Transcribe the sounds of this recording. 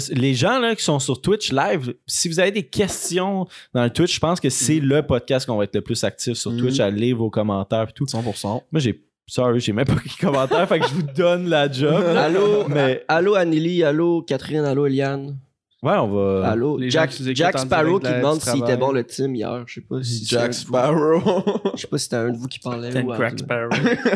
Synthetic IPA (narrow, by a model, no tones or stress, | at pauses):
sleʒɑ̃lɐkʲi̥sɔ̃syʁt̪wɪt͡ʃlajvsivuzaved̪ekʲʰɛst͡s̪jɔ̃d̪ɑ̃lət̪wɪt͡ʃʒə̥pɑ̃skəseləpɔd̪̚kʲast̪kɔ̃vaɛt̪ləplʏsak̚t̪ɪfsyʁt̪wɪt͡ʃalivokɔmɑ̃t̪ɛːʁpi̥t̪usɑ̃puʁsɑ̃mwʌʒe | sɑʁiʒemɛ̃mpʌki̥kɔmɑ̃t̪ɛːʁfakʒəvud̪ɔnlad͡ʒɔbalomɛaloanilialokʲat̪χɪnaloeljan | wɛɔ̃vʌaloʒd͡ʒkzed͡ʒakspaʁokkiimɑ̃d̪siieɛbɔ̃lət̪ɪmijæ̰ːʁʃepʌsisd͡ʒãaoʃe̥pʌsi̥set̪ɛɛ̃d̪əvukʲi̥paʁlɛakpaʁo